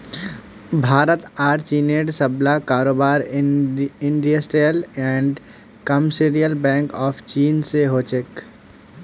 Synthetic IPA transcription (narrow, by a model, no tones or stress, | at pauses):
bʱaːɾət̪aːɾt͡ʃiːneːɖsɐblakaːɾoːbaːɾ | ɪ̃ɳɖijasʈeːlɛ̃ːɳɖ | kɐmseɾijəlbɛ̃ːŋkɔːft͡ʃiːnseɦoːt͡ʃek